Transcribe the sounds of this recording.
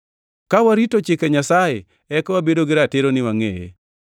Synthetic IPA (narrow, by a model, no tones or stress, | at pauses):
kawaɾitot͡ʃɪkeɲasaje | ɛkwabedoɡɪɾatɪɾonɪwaŋḛjḛ